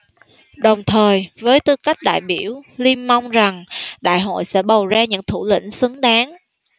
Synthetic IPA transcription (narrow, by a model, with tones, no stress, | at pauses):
ɗə˨˩wŋ͡mt̪ʰəː˨˩jvəː˨˦jt̪ɨ˧ka˦˥jk̚ɗa̰ː˧˨jɓi˧˩əwli˧mma˧wŋ͡mza˨˩ŋɗa̰ː˧˨jɦo̰˧˨jsɛ̰˧˥ɓə˨˩wzaː˧ɲɨ̰˧˥ŋt̪ʰu˧˩lḭ˧˥˨ŋ̟sɨ˨˦əŋɗaː˨˦ŋ